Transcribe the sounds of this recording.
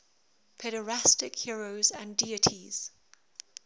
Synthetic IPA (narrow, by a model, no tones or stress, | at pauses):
pʰɛɾəɹastɪkhiɹoʊzə̃ndiətʰiz̥